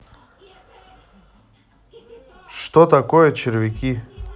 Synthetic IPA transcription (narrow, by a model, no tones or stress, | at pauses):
ʂt̪ot̪akojɛt͡ɕɪɾvʲɪkʲi